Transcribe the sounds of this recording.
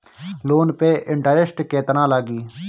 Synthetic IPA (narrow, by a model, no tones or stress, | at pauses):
loːnpeːʔɪɳʈaːɾɪsʈkeːt̪nãːlaːɡiː